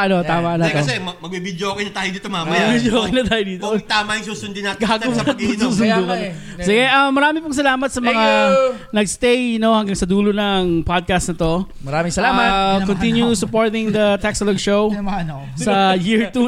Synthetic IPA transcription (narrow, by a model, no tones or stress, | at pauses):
ʔɐno̞t̪aːmɐɐlaɐosɛmɐmɐɡ̚bibid̪joɐkɐjnɐt̪aːjɪd̪iːt̪omaːmɐbiːd̪jokɐjnɐt̪aːjɪd̪iːt̪ot̪aːmɐjɪŋsuːsʊnd̪ɪnaːt̪ɡaːɡɐɐt̪mmɐɡsuːsʊnukɐn | sɪɡɛʔɐmːɐɾaːmɪpʊŋs̬ɐlaːmɐt̪sɐmɐŋa | nɐɡst̪ejnohɐŋɡɐŋsɐd̪uːlonɐŋpad̪̚kɐst̪nɐt̪o̞ | mɐɾaːmɪŋsɐlaːmɐtkont̪injusʊpoɹt̪ɪŋd̪ɐt̪ɛksloɡʃowɐ | sɐjiɹt̪u